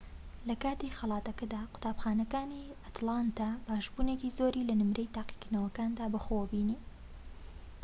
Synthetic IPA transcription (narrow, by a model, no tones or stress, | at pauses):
lɐkaːt̪ixɐlˠɑːt̪ɐkɐd̪aːqʊ̥t̪aːbxaːnɐkaːniat̪lˠant̪abaːʒbuːnecizoːɾiːlɐnɨmɾʔejt̪aːqi̥kɨnɐwɐkaːnd̪aːbɐxobiniː